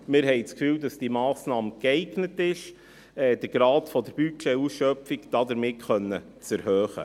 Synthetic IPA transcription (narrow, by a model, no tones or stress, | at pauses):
mɪɾɦɛjt͡skfyːwdɑsd̥imɑːsnɑːmkɛɪɡnətɪʃ | ɛːd̥əɾɡ̥ɾɑːtfɔdəɾb̥yt͡ʃɛusʃœpfikd̥ɑːdəɾmɪtχœnːə | t͡sɛɾhøːχə̰